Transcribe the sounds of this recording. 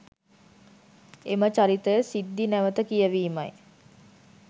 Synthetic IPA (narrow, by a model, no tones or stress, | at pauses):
emət͡ʃaɾit̪əjəsid̪ːinæʋət̪əkijəʋiːmaj